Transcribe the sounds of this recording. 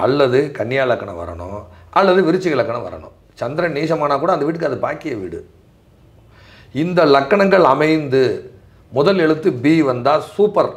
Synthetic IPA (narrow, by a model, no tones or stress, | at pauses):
ɐ̰lːɐðɯkɐɳːɪjaːlɐkːɐɳɐ̰̃ʋɐ̰ɾɐ̰ɳʊ̃ʔɐlːɐðɯʋɪɾɯt͡ʃːɪɣɐlɐkːɐɳɐ̃ʋɐ̰ɾɐ̰ɳʊ̰̃ | t͡ʃɐnd̪ɾɐniːʂɐmaːnaːkuːɽɐːnd̪ʋiːʈ̬ːɯkːɯɐðɯbaːkɪjɐʋḭːɽɯ | ɪnd̪ɐlɐkːɐɳɐŋɡɐɭɐmɐɪnd̪ɯ | mʊðɐlɛɽɯt̪ːɯbiːʋɐnd̪aːsuːpːɐɾ